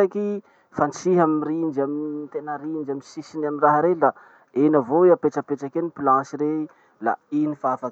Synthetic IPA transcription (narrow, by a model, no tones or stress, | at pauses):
aki | fant͡siɦamirind͡ʒamit̪enəɾind͡ʒaminsisinaminraɦaɾela | enavoeapeʈ͡ʂəpeʈ͡ʂakenipilãsiɾe | la̰inifaafak